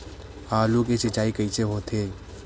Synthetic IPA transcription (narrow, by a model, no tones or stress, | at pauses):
aːlukesɪt͡ʃaːikəit͡ʃeɦoːt̪ʰe